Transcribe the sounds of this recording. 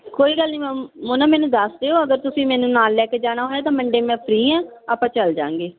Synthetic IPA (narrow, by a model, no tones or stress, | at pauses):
koːiːɡəlniːmɛ̃ːmoːnãːmɛːnũːd̪əsd̪eːɦoːəɡəɾt̪ʊsĩːmɛːnũːnaːlːɛːkeːd͡ʒaːɽ̃aːɦoːjaːt̪ãːməɳɖeːmɛ̃ːpʰɾiːɛ̃ːaːpãːt͡ʃəld͡ʒã̰ːŋɡeː